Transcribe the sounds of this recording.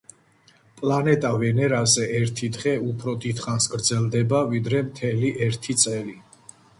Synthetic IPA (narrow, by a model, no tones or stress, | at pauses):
pʼlˠanɛt̪ʼavɛnɛɾazɛɛɾt̪ʰid̪ʁɛupʰɾɔd̪it̪χansɡɾd̪zɛlˠd̪ɛbavid̪ɾɛmt̪ʰɛliʔɛɾt̪ʰit̪sʼɛli